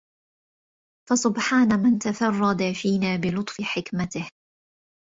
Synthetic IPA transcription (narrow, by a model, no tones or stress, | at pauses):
fasʊbħaːnamɪnt̪afɑrˤːɑd̪afiːnaːbɪlʊt̪ˤfɪħɪkmat̪ɪh